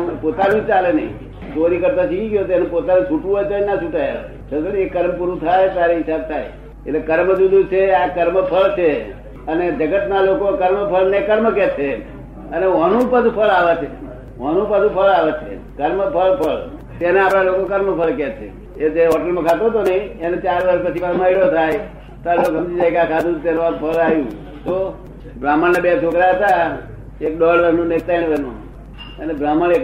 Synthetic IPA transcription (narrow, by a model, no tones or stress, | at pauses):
pot̪anũt͡ʃalenə̰ḭ̃ | t̪oɾikəɾt̪asikiɡjot̪enepot̪anũt͡ʃʰuʈũɦojt̪nat͡ʃʰuʈajao̰ | sʰəsənĩekːəɾmpuɾũt̪ʰajt̪aɾeɦisab̚t̪ʰaj | ḛtlekəɾməd͡ʒud̪ʱũt͡ʃʰeakəɾməpʰəɭt͡ʃʰe | əned͡ʒəɡət̪nalokokəɾməpʰəɭnekəɾməket͡ʃʰe | əneʋənũpəsupʰəɭaʋat͡ʃʰe | ʋəñũpəd͡ʒ̪ũpʰəlaʋet͡ʃʰḛ | kəɾməpʰəlpʰəɭ | t̪eneapɽalokokəɾməpʰəlkɛt͡ʃʰḛ | ed͡ʒeɦɔʈəlmãkʰat̪ot̪onəɦĩenet͡ʃaɾʋəɾʃpət͡ʃʰiʋaɾməiɽot̪ʰaj | t̪aɾlokɦəmd͡ʒid͡ʒajkakʰad̪ũt̪enõapʰəlajũ | t̪o | bɾaməɳnebet͡ʃʰokɾaɦət̪a | ek̚ɗɔɖʋəɾnũnek̚t̪ainʋənṵ̃ | ənebɾaməɳek